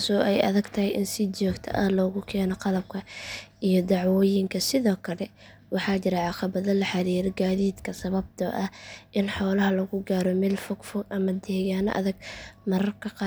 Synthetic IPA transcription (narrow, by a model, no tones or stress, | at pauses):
kːsɔːʔɛjʔɐ̰ðɐɡt̪ʰɐhɛjʔɪnsɪt͡ʃɔːɡt̪ʰɐ̰ʔɐlɔːɣʊkʰɛːnɔqɑlɐb̚kʰɐʔijɔd̪ɑʕwɔːjɪŋkʰɐsɪðɔːkʰɐlɛ | wɑħɑːt͡ʃɪɾɛʕɑqɑβɐðɐlɐħɑɾiːɾɔɡaːðiːd̪kʰɐsɐβɐb̚t̪ʰɔ̰ʔɐhʔɪnħɔːlɐɦɐlɐɣʊɡaːɾɔmɛːlfɔɡfɔɡʔɐmɐd̪ɛːɣaːnɔ̰ʔɐ̰ðɐɡ̚mɐɾɐrkʰɐqɑ